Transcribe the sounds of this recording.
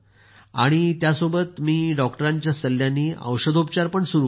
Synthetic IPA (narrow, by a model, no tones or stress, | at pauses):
a̰ɽ̃it̪jasobət̪miːɖɔkʈəɾaɲt͡ɕjasəlːjaniːʔə̰wɕəd̪ʱupt͡ɕaɾpəɳsuɾu